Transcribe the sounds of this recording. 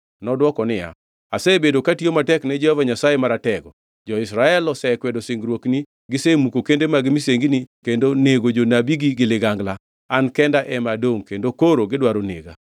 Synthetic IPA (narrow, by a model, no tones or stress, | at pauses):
nɔdwɔkɔnɪja̰ | asɛbedokatiomatɛknɛd͡ʒɛhovaɲasaemaɾatɛɡɔ | d͡ʒɔɪsɾaɛlɔsɛkwɛdoseŋɡɾwokni | ɡɪsemukokendemaɡɪmiseŋɡinikendoneɡod͡ʒonabiɡiɡɪlɪɡaŋɡla | ankɛndaʔɛmadoŋkendokoɾoɡɪdwaɾonḛɡa̰